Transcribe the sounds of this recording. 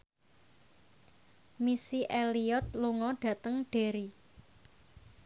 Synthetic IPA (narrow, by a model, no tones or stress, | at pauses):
misiʔeliɔt̪̚loŋɔɖ̥ä̤t̪əŋɖ̥e̤ɾi